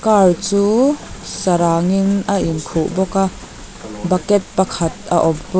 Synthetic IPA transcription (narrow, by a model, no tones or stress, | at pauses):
kart͡suːsɐɾaːŋinɐʔinkʰuʔbɔka | bɐkɛt̪̚pɐkʰɐt̪̚a̰ʔɔmpu